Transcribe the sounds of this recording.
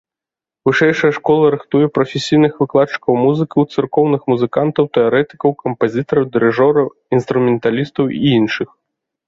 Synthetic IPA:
vɨʂɛjʂɐjɐʂkɔlˠɐɾɨxt̪ujɛpɾɐfʲesʲijnɨxvɨklˠat̪t͡ʂːɨ̥kɐwmuzɨkɐwt̪sɨrkɔwnɨxmuzɨkant̪ɐwt̪ɛaɾɛt̪ɨ̥kɐwkɐmpazʲit̪ɐɾɐwd̪ɨɾɛʐɔɾɐw | inst̪ɾumʲɛnt̪alʲist̪ɐwḭinʂɨx

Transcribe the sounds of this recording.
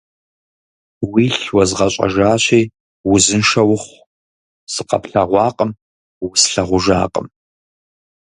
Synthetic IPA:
wiːɬwɐzʁɐɕʼɐ̰ʒaːɕiː | wʊzɨnʂɐwʊχʷ | sʼɨqɐ̰pɬɐʁʷɑːqʼəm | wʊsɬɐʁʷʊʒa̰ːqʼə̰m

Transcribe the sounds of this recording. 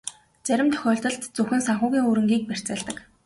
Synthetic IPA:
t͡sæɾʲɪ̆mt̪ʰœ̥xʲɔːɬt̪ɞ̆ɮt̪t͡sɵxɘ̆nsaɴχʊːɣʲiːŋuɾɘ̆ŋɡiːk̚pær̥ʲt͡sæːɮt̪ə̆k

